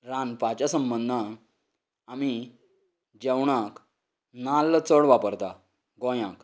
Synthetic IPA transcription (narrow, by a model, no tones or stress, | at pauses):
ɾanpat͡ɕjasəmbənd̪ʱã | ami | d͡ʑɛwɳak | nalːt͡səɽʋapəɾt̪a | ɡɔ̃jãk